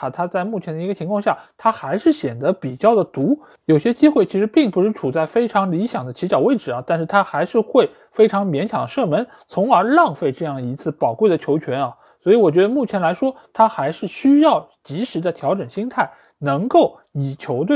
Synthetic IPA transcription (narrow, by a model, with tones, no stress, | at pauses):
t̪ʰa˥t͡sa˥˧ɪmu˥˩t͡ɕʰjɛ˧˥nd̪ə˧i˧˥ɡə˧t͡ɕʰi˧˥ŋkʰɑ˥˧ŋɕja˥˩t̪ʰa˥xa˧˥ɪʂɻ̩˥˩ɕjɛ˨˩nd̪ə˧˦˥pi˨˩t͡ɕjɑ˥˩ʊd̪ə˩t̪u˧˥ | jo˨˩ʊɕjɛ˥t͡ɕi˥xwe˥˩ɪt͡ɕʰi˧˥ʂɻ̩˧˥pi˥˩ŋpu˧˥ʂɻ̩˥˧ʈ͡ʂʰu˨˩t͡sa˥˩ɪfe˥ɪʈ͡ʂʰɑ˧˥ŋli˧˥ɕjɑ˨˩ŋd̪ə˦t͡ɕʰi˧˥t͡ɕjɑ˨˩ʊwe˥˩ɪʈ͡ʂɻ̩˨˩ɐ˦t̪a˥˧nʂɻ̩˥˩t̪ʰa˥xa˧˥ɪʂɻ̩˥˧xwe˥˩ɪ | fe˥ɪʈ͡ʂʰɑ˧˥ŋmjɛ˧˥nɕjɑ˨˩ŋd̪ə˦ʂɤ˥˩mə˧˥n | t͡sʰʊ˧˥ŋə˞˧˥lɑ˥˧ŋfe˥˧ɪʈ͡ʂɤ˥˧jɑ˥˩ŋə˩i˧˥t͡sʰɹ̩˥˩pɑ˨˩ʊkwe˥˩ɪd̪ə˩t͡ɕʰjo˧˥ʊt͡ɕʰɥɛ˧˥nɐ˧ | swɔ˧˥i˧˥wɔ˨˩t͡ɕɥɛ˧˥d̪ə˧mu˥˩t͡ɕʰjɛ˧˥nla˧˥ɪʂwɔ˥t̪ʰa˥xa˧˥ɪʂɻ̩˥˩ɕy˥jɑ˥˩ʊ | t͡ɕi˧˥ʂɻ̩˧˥d̪ə˧t̪ʰjɑ˧˥ʊʈ͡ʂə˨˩ŋɕi˥ŋt̪ʰa˥˩ɪ | nɤ˧˥ŋko˥˩ʊ | ni˨˩t͡ɕʰjo˧˥ʊt̪we˥˩